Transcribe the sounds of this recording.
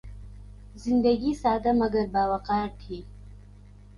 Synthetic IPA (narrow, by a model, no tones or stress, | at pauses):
zɪnd̪ɐɡisaːd̪amɐɡɐɾbaːwaqɑːɾt̪ʰi